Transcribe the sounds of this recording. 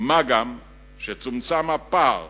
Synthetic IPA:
maɡam | ʃet͡sumt͡samapaʁ

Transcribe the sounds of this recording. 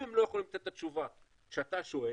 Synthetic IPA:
imlo̞jaχolimlat̪et̪t̪ːat̪t͡ʃuva | ʃeat̪aʃo̞e

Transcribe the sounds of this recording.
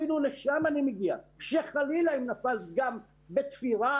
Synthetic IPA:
inuleʃamanimeɡiaʃeχalilaimnafalɡam | bet̪fiʁa

